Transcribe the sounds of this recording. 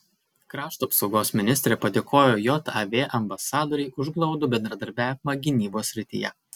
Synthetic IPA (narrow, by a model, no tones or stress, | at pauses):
kɾɑːʃt̪uɐpsɒʊɡoːsmʲɪnʲɪst̪ɾʲeːpɐd̪ʲeːkʰoːjoːjɔt̪ɐʋʲeːʔɐmbɐsɑːd̪ɔːɾʲɛɪʔʊʒɡlˠɒʊd̪ʊbʲɛnd̪ɾɐd̪ɐɾʲbʲæːʋʲɪmɐɡʲɪnʲiːboːsʲɾʲɪt̪ʲɪ̰jɛ̰